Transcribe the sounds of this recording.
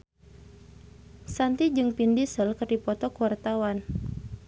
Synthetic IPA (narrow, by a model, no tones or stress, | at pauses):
sant̪id͡ʒɨŋpindisəlkɨrdipɔt̪ɔkuwart̪awan